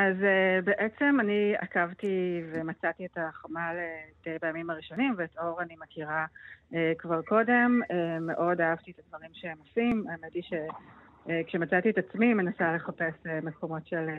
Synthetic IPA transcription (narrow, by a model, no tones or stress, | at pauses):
ʔazebe̞ʔet͡se̞mania̰kavtivemat͡satietaχomaletejbajamimaʁiʃo̞nimveːtʔo̞ʁanimekiʁaekvaʁko̞de̞memeʔo̞daavt̪iet̪advaʁimʃeemosimametiʃe̞ | kʃemat͡sat̪ietat͡smime̞nasale̞χape̞seme̞kʰo̞mo̞tʃel